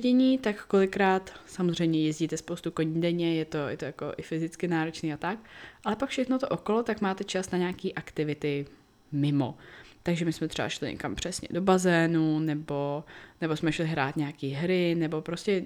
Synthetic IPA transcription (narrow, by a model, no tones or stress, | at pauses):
ɟɛɲiːt̪akːo̞lɪkɾaːt̪samozr̝ɛjmɲɛjɛzɟiːt̪ɛspowst̪ukoɲiːdɛɲɛjɛt̪o̞jɛ̰t̪ojako̰ʔɪ̰fɪzɪt͡skɪnaːɾo̞t͡ʃniːat̪ak̚ʔalɛpakfʃɛxnot̪oʔokolot̪akmaːt̪ɛt͡ʃasnaɲaːkiːʔakt̪ɪvɪt̪ɪ | mɪmo̰t̪aɡʒɛmɪsmɛt̪r̥ɛba̰ʃlɪ̰ɲɛ̰ka̰mpr̥ɛsɲɛ̰do̞bazɛːnunɛbo̞nɛbo̞smɛʃlɪɦɾa̰ːt̪ɲɛakiːɦɾɪnɛbo̞pɾoscɛ